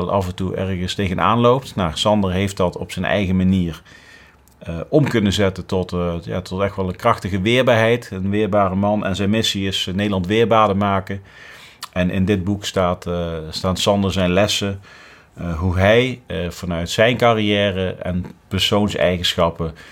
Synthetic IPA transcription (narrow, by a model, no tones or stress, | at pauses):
lˠʔɑ̰vɛntuʔɛ̰rɣəstejɣəna̰ːnlowp̚tnaːsɑndəɦejft̚dɑtɔ̰psɛnɛ̰jɣəmaniːɹ | ʔɔmkɵnəzɛtəntɔtja̰ːtɔtɛxtʋɛlˠənkrɑxtəɣəʋɪːɹbaːɹɦɛjtənʋɪːɹbaːrəmɑnɛ̰nzɛjnmɪsiɪsnejdəlˠɑntʋɪːɹbaːdəmaːkə | ʔɛnʔɪ̰ndɪd̚bukstaːtstaːtsɑndəɹzɛjnlɛsə | ɦuɦɛjv̥ɑnœɥtsɛjnkarijɛːrəɛ̰npɛɹsownsɛ̰jɣənsxɑpə